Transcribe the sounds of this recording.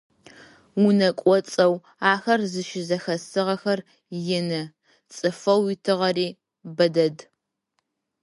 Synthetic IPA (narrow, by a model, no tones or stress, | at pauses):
wʊnɐkʷʼɔt͡sʼɐw | aːxɐrzɨʃɪzɐxɐsɨʁɐxɐr | jɪnɐ | t͡sʼɨfɐwjɪtʰɨʁɐɾiː | bɐdɐd